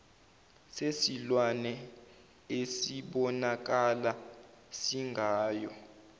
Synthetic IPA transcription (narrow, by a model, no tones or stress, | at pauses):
sesilwanɛ | esiɓɔnak̬ala | siŋɡʱaːjɔ